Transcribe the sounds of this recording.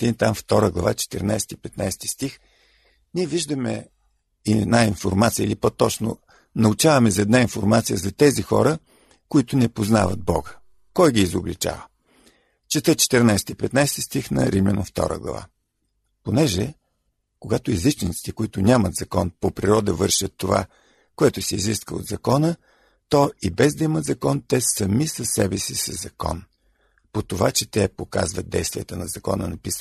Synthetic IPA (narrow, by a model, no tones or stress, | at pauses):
d̪int̪amft̪ɔɾəɡlˠɐvat͡ʃɛ̥t̪ɛ̰ɾna̰jsɛ̥t̪ipɛt̪najst̪i̥st̪ix | nʲiɛviʒd̪əmɛ̰ | ɛd̪nainfoɾmat̪sijə̰ilipək̚t̪ːɔt͡ʃno̰ | nɐut͡ʃavɐmɛzɐɛd̪nainfoɾmat̪sijəzɐt̪ɛzixɔ̰ɾə | kʊit̪ʊnɛpozna̰və̰d̪̚bɔ̰ɡə | kɔjɡʲiːzoblit͡ʃa̰və | t͡ʃɛt̪ət͡ʃɛ̥t̪əɾnajsɛ̥t̪ipɛt̪najst̪ist̪ixnɐ̰ɾimjʲɛno̰ft̪ɔ̰ɾʔə̰ɡlˠɐ̰va̰ | ponɛʒɛ | koɡat̪ʊizit͡ʃnit̪si̥t̪ɛkoit̪ʊnʲamət̪zɐkɔnpopɾiɾɔd̪əvɤɾʃət̪ːova̰ | koɛt̪ʊsɛiziskəo̰d̪zɐkɔnə | t̪ɔibɛzd̪ɐimət̪zɐkɔnt̪ɛsɐmisɐsːɛbɛsisəzɐkɔ̰n | pot̪ovat͡ʃɛt̪ɛpoka̰zvət̪̚d̪ɛ̰jst̪vijət̪ənɐzɐkɔ̰nənɐpis